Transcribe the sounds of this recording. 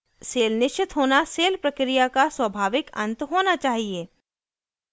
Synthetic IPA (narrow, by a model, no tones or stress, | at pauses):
seːlnɪʃt͡ʃɪt̪ɦoːnaseːlpɾɐkɾijakaswəbʱaːʋɪkɐ̰̃nt̪ɦoːnat͡ʃaːɦieː